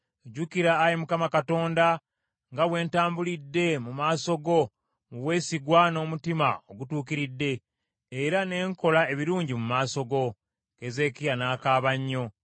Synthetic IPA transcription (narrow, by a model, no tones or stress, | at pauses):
eɟukiɾaːjimukamakato̞ːnda | ŋɡawe̞ːntaːmbulidːe̞mumaːso̞ɡo̞ | muβwe̞ːsiɡwano̞ːmutima̰o̞ɡutuːkiɾidːe̞ː | ɾane̞ːŋko̞lae̞βiɾuːɲɟimumaːso̞ɡo̞ | keze̞kijanaːkaːβaɲːo̞